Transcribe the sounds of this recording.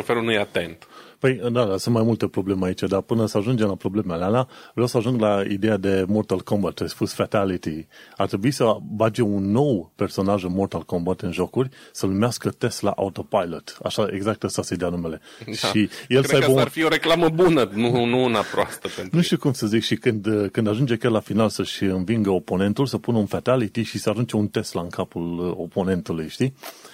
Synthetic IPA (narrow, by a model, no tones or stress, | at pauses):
ofelunujat̪e̞nt̪pəjd̪ad̪asunt̪majmult̪epɾo̞ble̞meait͡ʃad̪apɨnəsəaʒund͡ʒemlapɾo̞ble̞mealealavɾʲjawsəaʒuŋɡlaḭd̪e̞jad̪e̞mort̪alkõmbat̪̚t͡ʃaspusfat̪alit̪iart̪ɾe̞buisəvad͡ʒeunːo̞wpe̞rso̞naʒumort̪alkombat̪ɨnʒo̞kurʲsənumeaskət̪est̪la̰ʔa̰ut̪o̞pajlot̪a̰ʃaeɡzak̚t̪asased̪eanume̞le̞ʃije̞lsəajbəufioɾeklaməbunənunuunapɾoa̰st̪əpent̪nɾuʃt̪iukumsəzikʃikɨnd̪kɨnd̪aʒund͡ʒekʲjarlafinalsəʃʲɨnviŋɡəopo̞ne̞nt̪ulsəpunəunfat̪alit̪iʃisəaʒunt͡ʃe̞unt̪e̞st̪laɨŋkʰapulo̞po̞ne̞nt̪ulujʃt̪i